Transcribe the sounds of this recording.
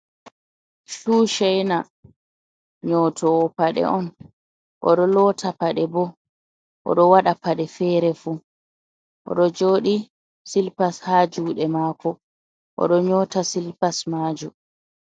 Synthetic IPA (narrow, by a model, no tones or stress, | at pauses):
suːʃɛjna | ɲɔtʰɔːpaɗɛ̰ʔɔn | ʔɔ̰ɗɔlɔːtʰapaɗɛbɔ | ʔɔ̰ɗɔwaɗapaɗɛfɛːɾɛfu | ʔɔ̰ɗɔd͡ʒoːɗi | silpashaːd͡ʒuːɗɛmaːkʰɔ | ʔɔ̰ɗɔɲɔːtasilpasmaːd͡ʒu